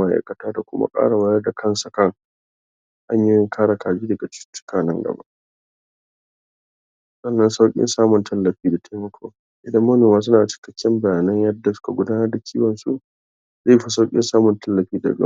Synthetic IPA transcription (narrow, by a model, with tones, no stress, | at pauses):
mɐ˦ʔa̰˨˦jkɐ˨taː˦da˨kʷʊ̰˦ma̰˦kʼa̰ː˦ɽa˨wɐ˦jɐ˦rda˨kʰɐ˦˨nsa˨kɐ˦˨ŋ | ʔa˦ɲji˦jɪ˦ŋkʰaː˦ɽa˨kʰaː˨d͡ʒiː˦dɐ˨ɡa˨t͡ʃʊ̥˦t͡ʃːʊ̥˦kaː˨nɐ˦ŋɡɐ̰˨ba̰˦ʔ | sɐ˦nːɐ˦nsa˦wkʲʼɪ̰˦nsaː˦mʊ˨ntʰɐ˦lːɐ˨ɸiː˦da˨tʰa˦mɐ˦kʰʷoː˦ | ʔɪ˨dɐ˦mːɐ˦noː˨maː˦s̬ʊ˦naː˨t͡ʃɪ̥˦kɐ̥˦kʰʲːɛ˦mbɐ˨jaː˨nɐ˦ɲjɐ˦dːa˨sʊ̥˦ka˨ɡʷʊ˦daː˦nɐ˦rda˨kʰʲiː˦wɐ˨nsṵ˦ | ze˦˨jɸi˦sa˦wkʲʼɪ̰˦nsaː˦mʊ˨ntɐ˦lːɐ˨ɸiː˦da̰˨b̰